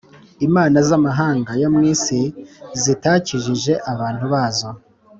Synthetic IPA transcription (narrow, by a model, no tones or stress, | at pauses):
imaːnazamaɦaːŋɡajamŋiːsizitaːciʒiʒe̞ʔaβaːn̥huβaːzo̞